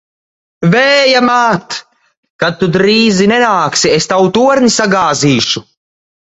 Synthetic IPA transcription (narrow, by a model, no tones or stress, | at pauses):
vɛːjamaːt̪ | kad̪̚t̪ːud̪ɾiːzinɛnaːksiest̪awt̪uɔɾnisaɡaːziːʃu